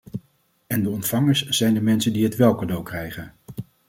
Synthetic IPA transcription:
ɛndəɔntfɑŋəɹsz̥ɛjndəmɛnsəndiɦətʋɛlˠkadowkrɛjχən

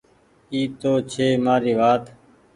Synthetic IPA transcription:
iːt̪oːt͡ʃʰeːmaːɾiːʋaːt̪

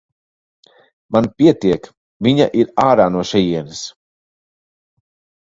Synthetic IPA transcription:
manpʲiɛt̪iɛk | viɲa̰ʔiɾaːɾaːnuɔʃɛjiɛnɐs

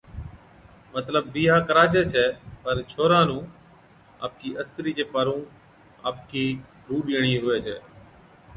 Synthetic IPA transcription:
mət̪ləbːiːɦaːkəɾaːd͡ʒeːt͡ʃʰɛːpəɾt͡ʃʰoːɾãːnũː | a̰ːp̚kiːʔəst̪ɾiːd͡ʒeːpaːɾũː | a̰ːp̚kiːd̪ʱuːɗiːɳ̃ĩːɦʊʋeːt͡ʃʰɛ̰ː

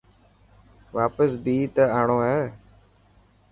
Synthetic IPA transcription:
ʋaːpəsbiːt̪əaːɳoːɦɛː

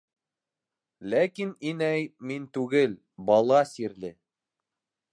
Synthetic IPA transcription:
lækininæjmint̪ʉɡɘl | bɑlˠɑsiɾlɘ

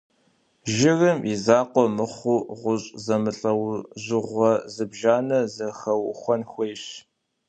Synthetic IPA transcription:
ʒɪrɨmizaːqʷɔmɨχʷuʁʷʊɕʼzɐmɨɬʼɐwʑʊʁʷɔzɨbʒaːnɐzɐxɐwxʷɔnxʷejɕ

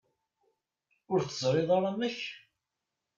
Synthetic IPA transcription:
ʊɾθəzˤɾˤɪðˤɑɾɑməç

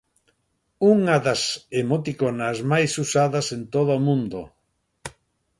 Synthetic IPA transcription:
uŋaðɐsemot̪ikonazmajsusaðɐsent̪oðomũnd̪o

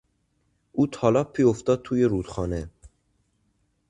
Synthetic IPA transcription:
uːt̪ʰɒːlɒpʰːioft̪ɒːd̪̚t̪ʰuːjeɾud̪χɒːne

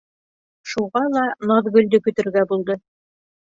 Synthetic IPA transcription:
ʃuʁɑlˠɑnɑðɡɵ̆lʲd̪ɵkɵ̆t̪ɘ̆ɾɡæbulˠd̪ɤ

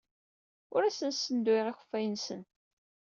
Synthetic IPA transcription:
ʊɾæsənsːənd̪wiʁæçə̥fːæjənsən

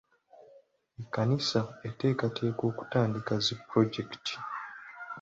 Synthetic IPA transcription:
ekːanisaete̞ːkatʰe̞ːko̞ːku̥taːndikazepːɾo̞ɟektʰi̥

